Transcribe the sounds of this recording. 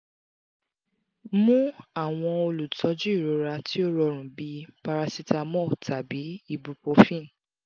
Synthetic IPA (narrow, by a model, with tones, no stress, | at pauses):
mũ˦a˦˨w̃ɔ̃˧o˧lu˨tʰɔ˨˦d͡ʒu˦i˦˨ɾo˨˧˨ɾa˧ti˦o˦ɾɔ˧ɾ̃ũ˨bi˨˧˦pa˧ɾa˧si˧ta˧mɔ̃˦˨tʰa˨bi˨˦i˦˨bu˧po˧fĩ˦˨